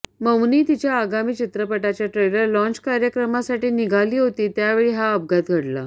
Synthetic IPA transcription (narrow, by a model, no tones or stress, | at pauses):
məwniːt̪it͡ɕjaːɡamiːt͡ɕit̪ɾəpəʈat͡ɕjaʈɾejləɾlɔ̃nt͡ɕkaɾjəkɾəmasaʈiːniɡʱaliːɦot̪iːt̪jaʋeɭiːɦaəb̚ɡat̪ɡʱəɽla̰